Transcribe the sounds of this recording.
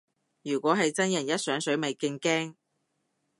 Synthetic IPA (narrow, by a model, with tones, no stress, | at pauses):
jyː˨˩kʷwʷɔː˨˥ɦɐ˨jt͡sɐ˥njɐ˨˩njɐ˥t̚sœː˨˥ŋsɵ˨˥ɥmɐ˨jkɪ˧ŋkɛː˥ŋ